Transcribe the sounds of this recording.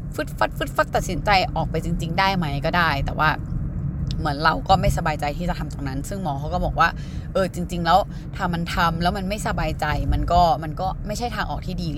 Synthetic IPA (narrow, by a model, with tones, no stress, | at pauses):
fɯ˦˥t̪̚fa˦˥t̪̚fɯ˦˥t̪̚fa˦˥t̪ːa˨t̪̚si˩˦nt͡ɕa˧jʔɔː˨˩k̚pa˧jt͡ɕi˧ŋt͡ɕi˧ŋdaː˥˩jma˦˥jkɔː˥˩daː˥˩jt̪ɛː˨˩wʔaː˥˩ | mɯ˩˦ənɾa˧wkɔː˥˩ma˥˩jsa˧baː˧jt͡ɕa˧jt̪ʰiː˥˩t͡ɕa˨˩t̪ʰa˧mt̪oː˧˩ŋna˦˥nsɯ˥˩ŋmɔː˧kʰa˦˥wkɔː˥˩bɔː˨˩k̚waː˥˩ | ʔɤː˧t͡ɕi˧ŋt͡ɕi˧ŋlɛː˦˥w | t̪ʰaː˥˩ma˧nt̪ʰa˧mlɛː˦˥wma˧nma˥˩jsa˧baː˧jt͡ɕa˧jma˧nkɔː˥˩ma˧nkɔː˥˩ma˥˩jt͡ɕʰa˥˩t̪ʰaː˧ŋʔɔː˨˩k̚t̪ʰiː˥˩diː˧